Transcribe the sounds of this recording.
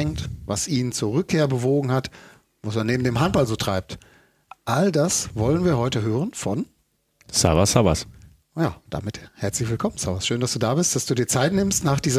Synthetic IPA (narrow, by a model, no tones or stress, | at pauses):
ɛŋtvasʔiːnənt͡suːɐʁʏkʰːeːɐbəvoːɡŋ̩hat | vasmanːeːbm̩deːmɦant̚b̥alzoːtʁ̥aɪp̚t | ʔaldasvɔlənviːɐhɔʏtəɦøːʁənfɔn | sa̰vasava̰s | jaːd̥a̰ːmɪthɛɐt͡slɪçv̥ɪlkʰɔmənsavasʃøːndasd̥uːdaːbɪst̚d̥asd̥uːdiːɐt͡saɪtnɪmstnaːχd̥iːzɐ